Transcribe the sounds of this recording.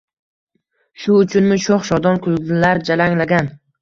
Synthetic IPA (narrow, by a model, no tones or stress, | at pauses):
ʃʊʊt͡ʃʰʊnmɪʃoχʃɒd̪ɒnkʰʊlˠɪlaɾd͡ʒalaŋlaɡʲan